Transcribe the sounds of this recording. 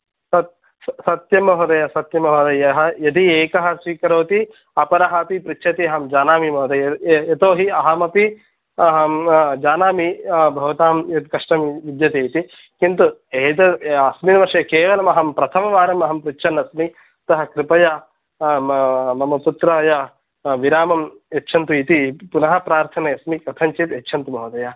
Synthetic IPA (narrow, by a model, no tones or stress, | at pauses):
sɐt̪̚ | sɐt̪jɐmɐɦod̪ɐjɐsɐt̪jɐmɐɦod̪ɐjɐɦɐjɐd̪ieːkɐɦɐsʋiːkɐɾoːt̪i | ɐpɐɾɐɦɐpipɾit͡ʃʃʰɐt̪iɐɦɐmd͡ʒaːnaːmimɐːt̪ʰɐjɐt̪oːɦiɐɦɐmɐpi | ɐɦɐd͡ʒaːnaːmibʱɐʋɐt̪aːmjɐt̪kɐʂʈɐmʋid̪jɐt̪eːt̪i | kint̪ueːt̪ɐɐsminɐʋɐɾʂɐjɐkeːʋɐlɐmɐɦɐmpɾɐt̪ʰɐmɐʋaːɾɐmɐɦɐmpɾit͡ʃːʃʰɐnːɐsmi | t̪ɐɦɐ̆kɾipɐja | mɐmɐput̪ɾaːja | ʋiɾaːmɐm | jetːʃʰɐnt̪uit̪ipunɐɦɐ̆pɾaːɾt̪ʰɐnɐjɐsmikɐt̪ʰɐɲt͡ʃit̪etːʃʰɐnt̪umʱɐːʋd̪ɐjaː